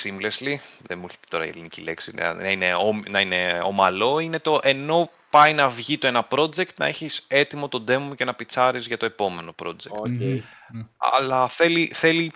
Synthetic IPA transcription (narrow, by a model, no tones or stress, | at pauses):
simblesliðenmuçe̥t̪e̥t̪o̞ɾɐ̰ḭḛlinicileksin̰nɐine̞omnɐine̞o̰mɐlo̞ine̞t̪o̞ʔe̞no̞ | pɐjnɐvʝit̪o̞enɐpɾo̞d͡ze̞kt̪nɐ̰e̞çise̞t̪imo̞t̪o̞d̪e̞mːucenɐpit͡sɐɾizʝɐt̪o̞e̞po̞me̞no̞pɾo̞̰d͡zektt̪ | ɐ̰lɐθe̞liθe̞li